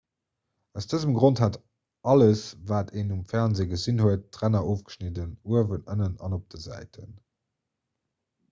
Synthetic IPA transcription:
æʊsd̥əzəmɡʁonthat | ɑləsvaːtʰeːnumfæʁnzeːɡəzinhuətːʁænɐʔoːfɡ̥ə̥ʃnidənuəvənənənɑ̰nop̚d̥əzæ̰ɪtʰə̰n

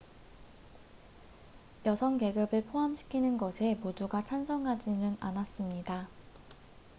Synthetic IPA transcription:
jʌsʰʌŋke̞ɡɯbɯɭpʰoɦamɕʰi̥kʰinɯnɡʌsʰe̞poduɡat͡ɕʰansʰʌŋɦad͡ʑinɯnanas͈ɯmɲida

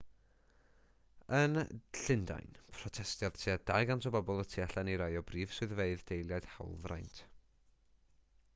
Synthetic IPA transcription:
ənɬɪnda̰jnpʰrɔtʰɛstjað̥tʰjad̥a̰jɡantʰɔbɔbɔlˠətʰiaɬaniɾajɔbriːv̥swɨðveɨðd̥ejlˠjaɨd̥ha̰wlˠvra̰jntʰ

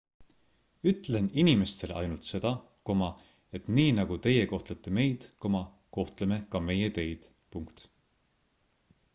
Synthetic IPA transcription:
yt̪ˑle̞ninime̞st̪e̞lʔɑ̰jnult̪se̞d̪̥ɑ | ko̞mɑ | e̞t̪ˑniːnɑɡ̥ut̪e̞jeko̞ht̪let̪ːe̞me̞jd̪̥ko̞mɑ | ko̞ht̪leme̞kɑme̞jet̪e̞jd̪̥ | puŋkt̪

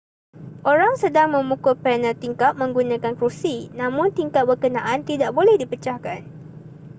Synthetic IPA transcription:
ʔoɾaŋsədaŋmə̃mũkʊpɛnə̃t̪iŋkat̪̚mə̃ŋɡunãkankɾusinãmʊ̃nt̪iŋkat̪̚bərkənãʔant̪idaʔbolɛhdipət͡ʃahkan

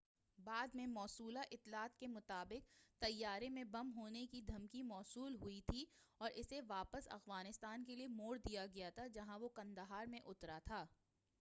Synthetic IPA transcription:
baːd̪mẽmɔːsuːlaʔɪt̪ːlaːt̪kemʊt̪aːbɪk̚t̪ɐjːaːɾemẽbɐmɦoːnekid̪ʱɐmkimɔːsuːlɦʊit̪ʰiɔːɾɪseʋaːpəsɐ̰xwaːnɪst̪aːnkeliemoːɽd̪ijaɡɐjat̪ʰad͡ʒɐɦãʋokɐ̃nd̪əɦaːɾmẽʔʊt̪ɾat̪ʰaː

